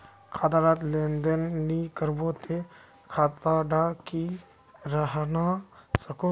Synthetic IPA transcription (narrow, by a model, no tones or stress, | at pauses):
kʰat̪aɾat̪lend̪ənːikəɾbot̪e | kʰaːt̪aɖaki | ɾaɦnasəko